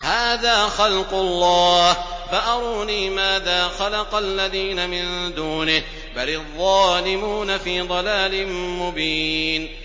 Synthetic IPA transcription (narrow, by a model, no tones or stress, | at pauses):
haːðaːxɑlqʊlˤːɑːhfaʔɑɾˤuːniːmaːðaːxalɑqɑlːaðiːnamɪnd̪uːnɪh | balɑðˤːɑːlɪmuːnafiːd̪ˤɑlaːlɪmʊbiːn